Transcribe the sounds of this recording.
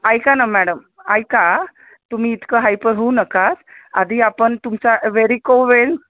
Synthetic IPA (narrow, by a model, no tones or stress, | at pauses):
ajkanamæɽəm | ajka | t̪um̤iːt̪kəɦajpəɾɦounəkasad̪ʱiːapəɳt̪umt͡saʋeɾikoʋel